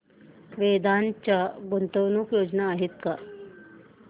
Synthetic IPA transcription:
ʋed̪ant͡ɕaɡont̪ownuːkjod͡ʑnaːɦit̪̚ka

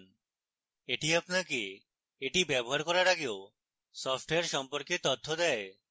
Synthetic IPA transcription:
n | eʈiapnake | eʈibɛboɦaɾkɔɾaɾaɡeo | sɔpʰʈeaɾʃɔmpoɾket̪ot̪ʰːod̪ɛe

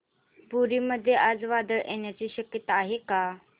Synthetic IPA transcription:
puɾiːməd̪ʱːjeʔad͡zʋad̪əɭʔeɳjat͡ɕiːɕəkjət̪aːɦeka

